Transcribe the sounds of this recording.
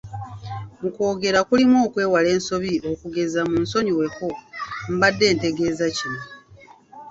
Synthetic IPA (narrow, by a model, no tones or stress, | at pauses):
muko̞ːɡe̞ɾakulimoːkwe̞ːwale̞ːnso̞βio̞kuɡe̞zamunso̞ɲiwe̞kom̩badːe̞ːnte̞ɡe̞ːzacino